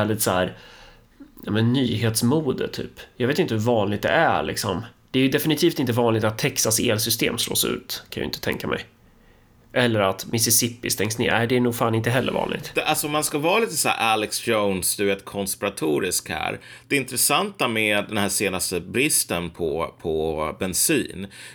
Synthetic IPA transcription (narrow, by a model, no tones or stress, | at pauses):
æːɭɪt̪sæːɾ | ɑːmɛnːyːɦeːt̪smuːd̪ə̰t̪ʰːy̰ːpjɑɡet̪ɪnt̪əhɵɾvɑːnlɪɡ̚t̪̚d̪ɛ̰ʔæ̰ɭʔɪ̰ksɔ̰md̪̥ɛæɾjɵd̪ɛfɪnɪt̪ʰiːft̪ɪnt̪əvɑːnlɪɡ̚t̪at̪ʰːɛksaseːlsʏst̪ḛːmslo̰ːsʉ̟̰ːt̪kʰãnjɑ̰ɪ̰nt̪ə̥t̪ʰɛ̰ŋkamʔɛ̰j | ʔɛlːəɾat̪mʔɪsɪsɪpɪst̪ɛŋsnḛːʔæɪd̪ɛːɳuːɡfaːnɪnt̪əɦɛlːə̰vɑ̰ːnɪ̰ɡ̚t̪d̪ʔalsɔɔmːanskavɑːliːt̪əsæ̰ːɾʔælɛksd͡ʒoʊnsd̪ɵveːt̪kʰɔnspɪɾat̪ʰuːɾɪskhæ̰ːɾ | d̪̥ɛɪnt̪ɾɛsant̪amɛd̪ɛnhæːseːnast̪əbɾɪst̪ənpʰɔpʰɔbɛnsiːn